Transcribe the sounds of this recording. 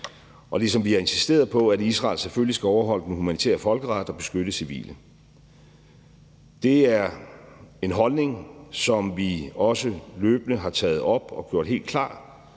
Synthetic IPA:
ʔɒ̽lisɒ̽mʋiæe̝nsisd̥e̝̰ːɐð̩ˠpʰɒ̽ædisʁɑ̰̈ːlseføllisɡ̥æɒʊɐɦɒ̽l̰əd̥enhumæni̥t͡sʰḛːɐfɒ̽lɡ̥əʁɑd̥ɒ̽b̥e̝sɡ̥øɾəsiʋḭːlə | d̥e̝æɐ | e̝nɦɒ̽lne̝ŋsɒ̽mʋiɒ̽səløːb̥ənəɦɑ̈t͡sʰɛ̰ːð̩ˠɒ̽b̥ɒ̽ɡ̥jo̝ɐ̰d̥ɦe̝̰ːld̥kʰlɑ̰̈ː

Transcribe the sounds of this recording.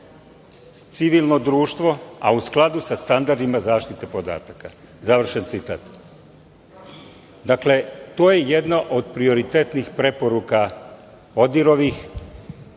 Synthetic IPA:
t̪siʋilˠno̞d̪ɾuːʃt̪ʋo̞a̰usklˠad̪usast̪and̪aɾd̪imazaːʃt̪it̪e̞po̞d̪a̰ːt̪aka | zaʋr̩ʃent̪sit̪a̰ːt̪ | d̪akle̞t̪o̞ːje̞jed̪naʔo̞d̪pɾio̞ɾit̪et̪nixpɾe̞po̞ɾuka | o̞d̪iɾo̞ʋix

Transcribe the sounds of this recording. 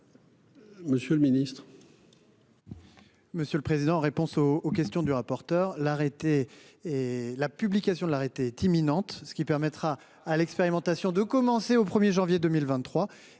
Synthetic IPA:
məsjølminist̪χ | məsjølpχezid̪ɑ̃ːʁepɔ̃soːkʲɛst̪jɔ̃d̪yʁapɔʁt̪œʁlaʁet̪e | lapyblikʲasjɔ̃d̪əlaʁet̪eɛt̪iminɑ̃t̪sə̥kʲipɛʁmɛt̪χaː | lɛkspeʁimɑ̃t̪asjɔ̃d̪əkɔmɑ̃seopχəmjeʒɑ̃vjed̪ømilvɛ̃t̪ːχwa

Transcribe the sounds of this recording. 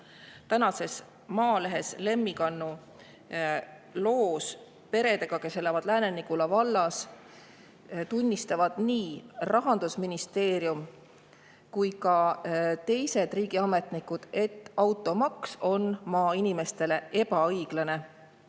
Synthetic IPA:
t̪ænɑse̞s | mɑːle̞ɦe̞sle̞mːikɑnːu | lo̞ːs | pe̞ɾed̪e̞ɡ̥ɑke̞selevɑd̪̥læːnenikulɑvɑlːɑs | t̪unʲːist̪ɑvɑd̪̥niːrʔɑɦɑnd̪̥usminist̪e̞ːɾjum | kujkɑt̪e̞jse̞d̪̥riːɡ̥iɑme̞t̪ˑnikːud̪̥e̞t̪ːˑɑwt̪ːˑo̞mɑkso̞nmɑːinime̞st̪e̞le̞e̞pɑɤjɡ̥lɑne̞

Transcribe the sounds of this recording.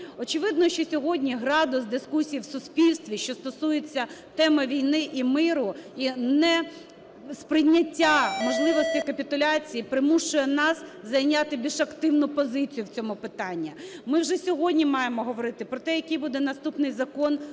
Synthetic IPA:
ɔt͡ʃɪʋɪd̪nɔʃt͡ʃɔsʲɔɦɔdʲnʲiɦɾɑd̪ʊsd̪ɪskusʲijiwsʊspʲilʲst̪ʋʲiʃt͡ʃɔst̪ɔsujet͡sʲːɐt̪ɛmɐʋʲijnɪʔimɪɾʊinɛ | spɾɪjnʲːɐtʲːamɔʒlˠɪʋɔsʲtʲikɐpʲit̪ʊlʲɑt͡sʲijipɾɪmuʃʊjɛnɑszɐjnʲat̪ɪbʲiʃɐkt̪ɪwnʊpɔzɪt͡sʲijʊwt͡sʲɔmʊpɪt̪ɑnʲːimɪwʒɛsʲɔɦɔdʲnʲimɑjemɔɦɔʋɔɾɪt̪ɪpɾɔt̪ɛjɐkɪjbud̪ɛnɐst̪upnɪjzɐkɔn

